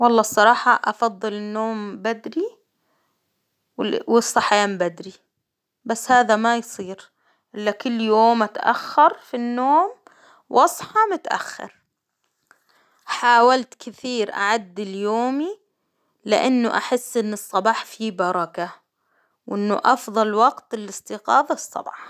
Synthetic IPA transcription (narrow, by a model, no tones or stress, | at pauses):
wɑlˤːɑːsˤɑɾˤɑːħɑʔɑfɑðˤːɨlɪnːoːmbad̪ɾi | wɪsˤːɑħjaːmbad̪ɾi | basːhaːðamajsˤiːɾ | ʔɪlːakʊlːjoːmʔat̪ʔa̰xːɑɾˤfinːoːm | wʔɑsˤħɑmʊt̪ʔa̰xːɑ̰ɾ | ħaːwalt̪kɪθiːɾʔa̰ʕad̪ːɪljoːmi | lɪ̰ʔanːʊʔa̰ħɪsːʔɪnːɨsˤːɑbɑːħfibɑɾˤɑka | wʔɪnːʊ̰ʔɑfðˤɑlwɑɡt̪lɪst̪iqɑːðɑsˤːɑ̰bɑ̰ːħ